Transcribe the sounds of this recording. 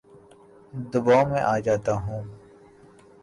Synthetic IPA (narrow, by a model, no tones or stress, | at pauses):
d̪ʊbaːmẽʔaːd͡ʒaːt̪aːɦũː